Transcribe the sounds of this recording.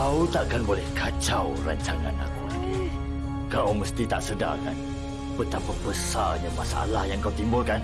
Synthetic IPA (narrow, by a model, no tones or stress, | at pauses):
aut̪aʔkanbolɛhkʰat͡ʃawɾa̰ɲt͡ʃana̰na̰kuaki | kawməst̪it̪aʔsəda̰kan | pət̪apabəsaɲamasaʔa̰lahjaŋkawt̪imbʊlkan